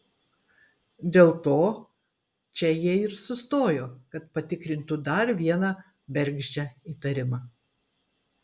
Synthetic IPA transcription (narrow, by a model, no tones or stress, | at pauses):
d̪ʲeːlˠt̪oː | t͡ʃʲɛjiɛɪɾsʊst̪oːjoːkɐt̪̚pɐt̪ʲɪkɾʲɪnʲt̪ʊd̪ɐɾʋʲiɛnɑ | bʲɛɾʲɡʒʲd͡ʒʲæiːt̪ɐɾʲɪmɑː